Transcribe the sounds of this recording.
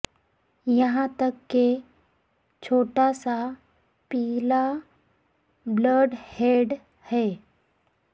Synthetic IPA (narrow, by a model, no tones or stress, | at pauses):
jəɦãt̪əkːe | t͡ɕʰoʈasa | pila | bləɾɖheɽ | hɛ